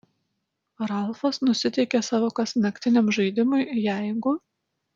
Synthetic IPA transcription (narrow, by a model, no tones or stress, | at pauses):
ɾɐlˠˑfɐsnʊsʲɪt̪ʲɛɪkʲeːsɑːʋoːkɐsʲnɐkʲt̪ʲɪnʲɛmʒɐɪd̪ʲɪmʊɪjæˑɪɡʊ